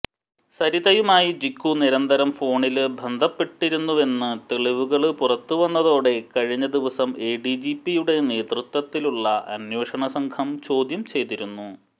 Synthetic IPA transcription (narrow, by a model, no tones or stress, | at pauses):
sɐɾiðɐjumaːjid͡ʑikːuniɾɐnd̪ʱɐɾɐmfo̞ːɳilɨbʱɐnd̪ʱɐpːe̞ʈːiɾunːuʋe̞nːɨt̪eɭiʋuɣɐɭpurɐt̪ːuʋɐnːɐðo̞ːɽe̞kɐɻiɲːɐd̪iʋɐsɐme̞ːɖid͡ʑipːijuɽe̞ne̞ːt̪rɨt̪wɐt̪ːiluɭːɐɐ̰nwe̞ːʂɐɳɐsɐŋkʰɐmt͡ɕo̞ːd̪jɐmt͡ɕe̞jt̪iɾunːu